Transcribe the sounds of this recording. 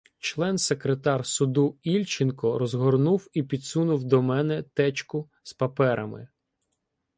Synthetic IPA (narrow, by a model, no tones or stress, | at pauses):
t͡ʃlˠɛnsekɾet̪ɑrsʊd̪uilʲt͡ʃɪnkɔɾɔzɦɔrnuwipʲid̪sunʊwd̪ɔmɛnɛt̪ɛt͡ʃkʊ | spɐpɛɾɐmɪ̰